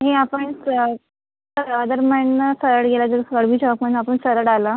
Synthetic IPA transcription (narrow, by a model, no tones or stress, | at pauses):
ɦẽapəɳsə | səɾad̪əɾməɳːəsəɾəɽɡelad͡zəɾsəɽbʱiːt͡ɕɔkmənapəɳsəɾəɽala